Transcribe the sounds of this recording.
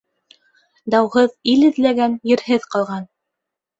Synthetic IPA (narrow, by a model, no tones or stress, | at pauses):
d̪ɑwɦɤðilɘ̆ðlæɡænjɘ̆ɾhɘðqɑlˠʁɑn